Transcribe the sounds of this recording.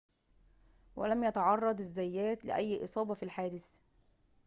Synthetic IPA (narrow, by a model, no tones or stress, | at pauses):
wæ̰læmjæt̪ɑʕɑrˤːɑd̪ˤɪzːæjːæːt̪lɪ̰ʔæjːʔɨ̰sˤɑːbɑfilħaːd̪ɪs